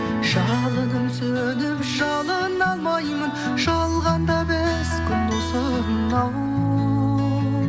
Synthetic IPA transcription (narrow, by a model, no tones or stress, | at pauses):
ʒɑlˠəd̪əmsɵ | d̪ɪpʒɑlˠənɑlˠmɑjmən | ʒɑlˠʁɑnd̪ɑbeskʲʰʏnd̪ɪsə | ɾənɑw